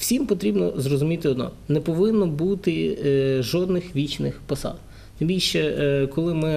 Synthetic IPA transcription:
w̥sʲimpɔt̪ɾʲibnɔ̰zrɔzʊmʲit̪ɪɔd̪nɔ̰nɛpɔʋɪnːɔbut̪ɪʒɔd̪nɪxʋʲit͡ʃnɪxpɔsɑ̰d̪ | t̪ɪmbʲilʲʃɛkɔlˠɪmɪ

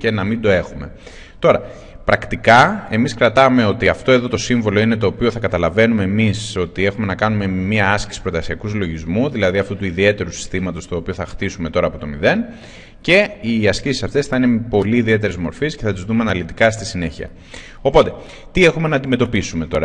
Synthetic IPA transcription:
ce̞nɐmind̪o̞e̞xume̞ | t̪o̞ɾɐ | pɾɐkt̪ikɐe̞miskɾɐt̪ɐme̞o̞t̪iɐft̪o̞e̞ðo̞t̪o̞siɱvo̞lo̞ine̞t̪o̞ːpio̞θɐkɐt̪ɐlɐve̞nume̞ːmiso̞t̪ie̞xume̞nɐkɐnume̞miɐɐsci̥si̥pɾot̪ɐsiɐkuzlo̞ʝizmuðilɐðiɐft̪ut̪uiðie̞t̪e̞ɾusi̥st̪imɐt̪o̞st̪o̞ːpio̞θɐxt̪isume̞t̪o̞ɾɐːpo̞t̪o̞miðe̞n | ce̞iɐscisi̥sɐft̪e̞sθɐinepo̞liːðie̞t̪̬e̞ɾezmo̞ɾfisce̞θɐt̪izðumeɐnɐlit̪i̥kɐst̪isine̞çiɐ̰ | o̞po̞t̪e̞ | t̪ie̞xume̞nɐːnd̪ime̞t̪o̞pisume̞t̪o̞ɾɐ

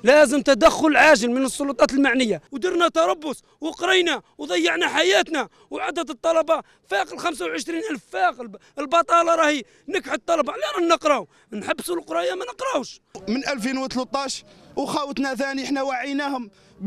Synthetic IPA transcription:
læzəmt̪æd̪æxːʊləlʕaʒəlmənəsˤːolut̪ˤɑt̪əlmaʕnəjːawd̪əɾnæt̪ɑɾˤɑbːʊs | wəqɾəjnæwd̪ˤɑjːəʕnæħajæt̪næ | wʕad̪æt̪ət̪ˤːɑlɑbɑ | fæqəlxæms̬awʕəʃɾinʔælffæqəlbɑt̪ˤɑlɑɾˤɑhi | nəkħət̪ˤːɑlɑbɑʕlːæɾˤɑhnəqɾɑ | nħabːsulqɾˤɑjamænəqɾɑwʃmənʔælfinwət̪lət̪ˤːɑʃwxæwət̪næθæniʔəħnæwaʕijnæhʊm

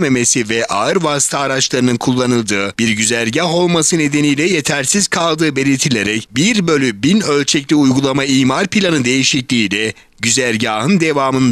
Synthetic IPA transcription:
me̞me̞sivɛʔaɯɾvasi̥t̪ʰaːɾat͡ʃlˠaɾɯnɯnkʰulˠːanɯlˠd̪ɯːbiɾɟyzæɾɟaɦo̞lˠmasɯne̞d̪e̞nijlʲɛje̞t̪ʰæɾsiz̥kʰalˠd̪ɯːbe̞lʲit̪ʰilʲe̞ɾɛcbiɾbølʲybinø̞lʲt͡ʃʰɛclʲiujɡulˠamaiːmaɾpilʲanɯd̪e̞jiʃiclʲiːlʲɛ | ɟyzæɾɟaːɦɯnd̪e̞vaːmɯnd̪

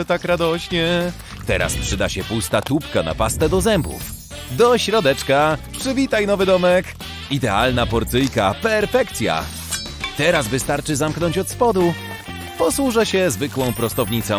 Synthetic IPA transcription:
t̪akɾad̪ɔɕɲɛ | t̪ɛɾa̰spʂɘd̪aɕɛpust̪at̪upkana̰past̪ɛd̪ɔzɛmbṵf | d̪ɔɕɾɔd̪ɛt͡ʂkapʂɘvʲit̪ajnɔvɘd̪ɔmɛk | id̪ɛalnapɔɾt̪sɘjka̰pɛɾfɛkt̪sʲja̰ | t̪ɛɾazvɘst̪aɾt͡ʂɘzamknɔɲt͡ɕɔt̪spɔd̪u | pɔswuʐɛɕɛzvɘkwɔ̃w̃pɾɔst̪ɔvɲit̪sɔ̃

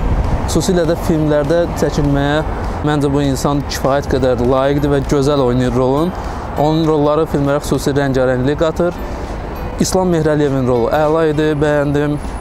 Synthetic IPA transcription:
xu̥suːsiːlæd̪æfilmlæɾd̪æt͡ʃʰæcʰilmæjæ | mænd͡ʒɛbuinsɑncʰi̥fɑːjæt̪ɡæd̪æɾlˠɑːjiɡd̪ivæɟø̞zælo̞jnɯjuɾɾo̞lˠun | o̞nunɾo̞lˠːɑɾɯfilmlæɾæxy̥suːsiɾæɲɟɑɾæɲɟliɡɑt̪ʰɯɾ | islˠɑmːe̞hɾælije̞vinɾo̞lˠuʔælˠɑid̪ibæjænd̪im

